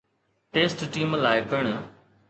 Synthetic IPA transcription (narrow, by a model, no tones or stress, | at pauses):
ʈeːsʈʈiːmlaːɪbɪɽ̃